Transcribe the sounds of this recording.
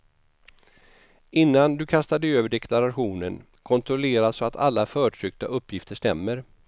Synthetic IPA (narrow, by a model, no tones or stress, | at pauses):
ɪnːand̪ɵkʰast̪ad̪əøːvəɖɛkʰlaɾaɧuːnən | kʰɔnt̪ʰɾɔleːɾasɔat̪ʰa̰lːafœːʈʰɾʏk̚t̪aʔɵpːjɪft̪əʂt̪ɛmːəɾ